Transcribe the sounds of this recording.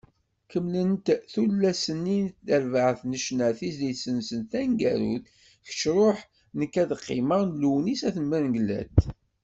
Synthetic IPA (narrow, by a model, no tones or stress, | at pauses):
kəmlənt̪θulːæsənːintdəɾvəʕθnəʃnæθisd̪isənsənt̪æŋɡæɾṵθ | çə̥t͡ʃɾˤoħ | nəkːæðqːɪ̰məʁnluwnisæθəmməɾŋɡəlːæ̰t̪